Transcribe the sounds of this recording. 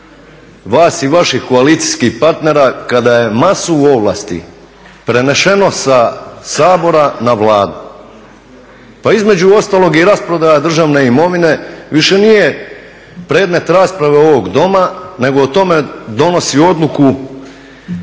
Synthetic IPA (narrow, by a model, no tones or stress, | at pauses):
ʋaːsiʋaʃihko̞alit̪si̥skihpaɾt̪ne̞ɾakad̪aje̞masuuo̞ʋlˠa̰ːst̪ḭ | pɾe̞ne̞ʃe̞no̞sasaːbo̞ɾanaʋlˠaːd̪u | paizme̞d͡ʑuo̞st̪aːlˠo̞ɡiɾaspɾo̞d̪ajad̪r̩ʒaʋne̞imo̞ʋine̞ʋiʃe̞nije | pɾe̞ːd̪me̞t̪ɾaːspɾaʋe̞o̞ʋo̞ɡd̪o̞mane̞ɡot̪o̞me̞d̪o̞no̞sio̞d̪luku